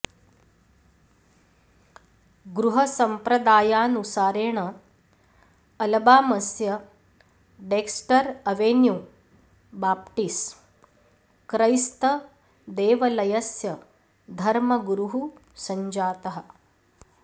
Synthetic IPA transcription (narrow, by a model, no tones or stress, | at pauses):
ɡɾuɦɐsɐmpɾɐd̪aːjaːnusaːɾeːɳɐ | ɐlɐbaːmɐsjɐ | ɖeːksʈɐɾɐʋeːnju | baːp̚ʈis | kɾɐjst̪ɐ | d̪eːʋɐlɐjɐsjɐ | d̪ʱɐɾmɐɡɾuɦu | sɐɲd͡ʒaːt̪ɐɦɐ̆